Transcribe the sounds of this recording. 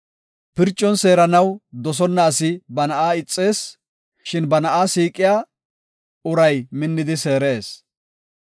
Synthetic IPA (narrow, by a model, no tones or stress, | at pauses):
pɪɾt͡ʃʼːɔnse̞ːɾɐnɐwd̪ɔs̬ɔnːɐːsɪbɐnɐʔaːɪt͡sʼːe̞ːs | ʃɪnbɐnɐʔaːsiːkʼːɪjaː | ʊɾɐjmɪnːɪd̪ɪse̞ːɾe̞ːs